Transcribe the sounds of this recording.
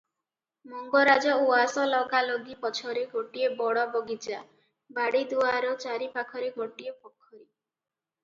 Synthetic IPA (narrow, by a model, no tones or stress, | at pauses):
mɔŋɡɔɾad͡ʒɔuasɔlɔɡalɔɡipɔt͡ʃʰɔɾeɡʱoʈiebɔɽɔbɔɡit͡ʃa | baɽid̪uaɾɔt͡ʃaɾipakʰɔɾeɡʱoʈiepɔkʰːɔɾi